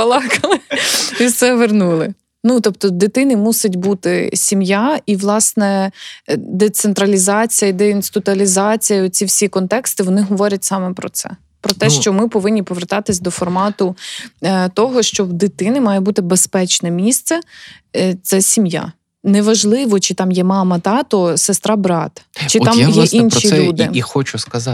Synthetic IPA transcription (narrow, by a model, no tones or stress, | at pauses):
pɐlˠɑkɐlˠɪiwsɛʋernulˠɪ | nut̪ɔpt̪ɔd̪ɪt̪ɪnɪmusɪtʲbut̪ɪsʲimjaiʋlˠɑsnɛ | d̪ɛt̪sent̪ɾɐlʲizɑt͡sʲijɐid̪ɛinst̪ʊt̪ʊɐlʲizɑt͡sʲijɐɔt͡sʲiwsʲikɔnt̪ɛkst̪ɪʋɔnɪɦɔʋɔɾʲɐtʲsɑmɛpɾɔt̪sɛ̰ | pɾɔt̪ɛʃt͡ʃɔmɪpɔʋɪnʲːipɔʋert̪ɑt̪ɪsʲd̪ɔfɔrmɑt̪ʊ | t̪ɔɦɔʃt͡ʃɔwd̪ɪt̪ɪnɪmɑjɛbut̪ɪbespɛt͡ʃnɛmʲist̪sɛ | t̪sɛsʲimja̰ | nɛʋɐʒlˠɪʋɔt͡ʃɪt̪ɑmjɛmɑmɐt̪ɑt̪ɔsest̪ɾɑbɾɑt̪ɐt͡ʃɪɑmjɛʔinʃiud̪ɪxɔt͡ʃʊskɐzɑ